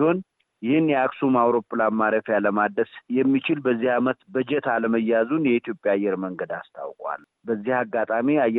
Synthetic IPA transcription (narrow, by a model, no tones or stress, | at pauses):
ho̞n | jɪhɨnjɛaksumawɾo̞pʼːlanmːaɾəfjaləmad̪əsjɛmːit͡ʃɪlbəzːihamət̪bəd͡ʒɛt̪ʰaləməjːazunjɛit̪jo̞pʼjaːjːɛɾməŋɡəd̪ast̪ʰa̰wkʼwa̰l | bəzːihaɡːat̪ʼamiajɛ